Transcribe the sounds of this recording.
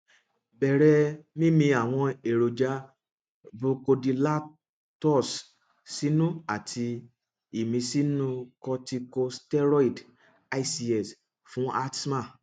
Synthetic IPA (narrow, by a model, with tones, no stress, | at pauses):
bɛ˨ɾɛ˧˦mĩ˦mĩ˧a˨w̃ɔ̃˧e˨ɾo˨d͡ʒa˨˦ | bo˧ko˧di˧la˦ | tɔ˦˨s | si˨˦nũ˦a˦˨tʰi˧ | i˦˨mĩ˧˦si˦nũ˦kɔ˧ti˧ko˧stɛ˦ɾɔ˦i˨d | a˧i˦si˧ɛ˨s | fũ˨˦a˦tma˦˨